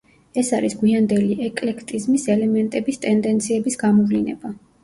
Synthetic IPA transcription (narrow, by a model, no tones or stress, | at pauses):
ɛsaɾisɡwiand̪ɛliɛkʼlɛkʰt̪ʼizmisɛlɛmɛnt̪ʼɛbist̪ʼɛnd̪ɛnt̪sʰiɛbisɡamɔvlinɛ̰b̥a